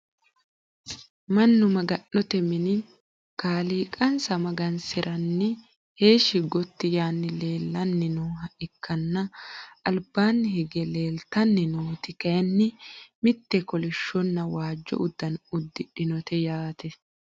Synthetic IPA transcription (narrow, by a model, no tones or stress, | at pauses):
mɐnːʊmɐɡɐnːɔt̪ɛmɪnɪ | kaːliːkʼɐnsɐmɐɡɐnsɪɾʔɐnːɪ | he̞ːʃɪɡɔt̪ːɪjaːnːɪle̞ːlːɐnːɪnuːɦɐʔɪkʰːɐnːɐɐlbːaːnːɪhɪɡɛle̞ːlt̪ɐnːɪnuːt̪ɪkɐjɐnːɪmɪt̪ːɛkɔlɪʃːɔnːɐwaːd͡ʒːɔ̰ʔʊd̪ːɐnʊd̪ːɪᶑɪnɔt̪ɛjaːt̪ɛ